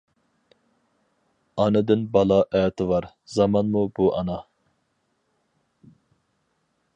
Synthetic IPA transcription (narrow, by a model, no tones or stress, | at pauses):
ɑnɨd̪ɨnbɑlˠɑʔɛt̪ʰɪvɑɾ | z̥ɑmɑnmubuʔɑnɑ